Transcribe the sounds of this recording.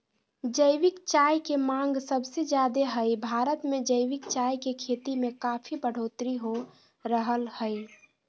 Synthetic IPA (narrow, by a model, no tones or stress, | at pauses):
d͡ʒəɪʋɪkt͡ʃajkemãŋɡsəbsed͡ʒjad̪eɦəjbʱaɾət̪mẽd͡ʒəɪʋɪkt͡ʃajkekʰet̪imẽkapʰibəɽ̤ʱot̪ɾiɦo | ɾəɦəlhəj